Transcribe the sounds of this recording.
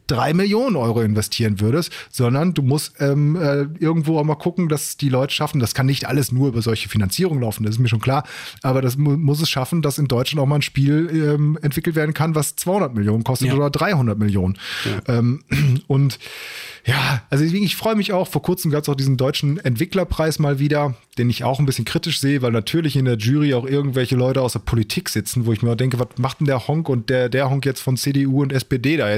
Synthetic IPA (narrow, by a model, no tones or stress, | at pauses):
d̥ʁaɪmɪljoːnənʔɔʏʁoɪnvɛstʰiːʁənvʏɐdəstz̥ɔndɐnduːmʊstʔɛːmɛːʔɪɐɡŋ̩tv̥oːaʊxmaːlkʰʊkŋ̩dasd̥iːlɔʏtə̥ʃafn̩daskʰanːɪçtʔa̰ləsnuːɐyːbɐzɔlçə̥finant͡siːʁʊŋənlaʊfn̩das̬ɪs̬tmiːʃ̬oːnkʰl̥aːɐʔaːbɐdas̬mʊs̬ɛsʃafn̩dasɪndɔʏt͡ʃlantaʊmaːlnʃpiːlɛːmɛntv̥ɪkl̩tv̥eːɐdn̩kʰanvast͡sv̥aɪhʊndɐtmɪljoːnənkʰɔstətoːdɐdʁaɪhʊndɐt̚mɪljoːnənʔɛːmʔʊnt | jaːʔalzodɛsveːɡŋ̩ɪçfʁ̥ɔʏəmɪçaʊxfoːɐkʰʊɐt͡sm̩ɡaːpəsaʊxd̥iːzn̩dɔʏt͡ʃn̩ɛntv̥ɪklɐpʁ̥aɪsmaːlviːdɐd̥eːnɪça̰ʊxn̩bɪsçənkʁ̥iːtɪʃz̥eːəvaɪlnatʰyːɐlɪçɪndeːɐʒyːʁ̞iaʊxʔɪɐɡŋ̩tv̥ɛlçəlɔʏtəaʊsdeɐpʰolitʰiːkz̥ɪt͡sn̩voːɪçmiːɐaʊxd̥ɛŋkəvatmaχd̥ɛndeːɐhɔŋkʊnt̚d̥eːɐdeːɐhɔŋkjɛt͡stfɔnt͡seːdeuːʊntɛspeːdeːdaːjɛ